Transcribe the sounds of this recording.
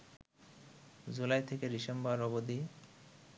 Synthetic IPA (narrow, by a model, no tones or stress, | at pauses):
d͡ʑulajt̪ʰekeɾiʃambaɾɔbod̪i